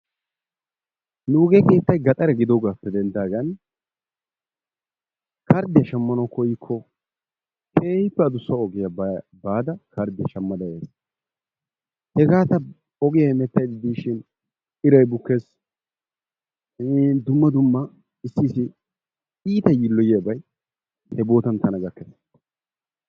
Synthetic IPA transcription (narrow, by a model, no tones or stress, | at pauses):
nuːɡeke̞ːt̪ːɐjɡɐt̪ʼɐɾɛɡɪd̪ɔɡaːpːɛd̪ɛnd̪aːɡɐn | kɐɾd̪ɪjɐʃɐmːɐnɐwkɔjɪkʰːɔ | kʰeːjɪpːɛɐd̪ʊsːɐɔɡɪjɐbaːd̪ɐkɐɾd̪ɪjɐʃɐmːɐd̪ɐjeːs | hɛɡaːt̪ɐ | ɔɡɪjamɛt̪ːɐjd̪ɪd̪iːʃɪn | ɪɾɐjbʊkːes | d̪ʊmːɐd̪ʊmːɐ | ɪsːiːsɪ | iːt̪ɐjiːlːɔjɪjabɐj | hɛbo̞ːt̪ɐnt̪ɐnɐɡɐkːes